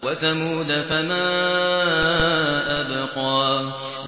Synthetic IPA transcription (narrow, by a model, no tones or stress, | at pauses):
waθamuːd̪afamaː | ʔabqɑː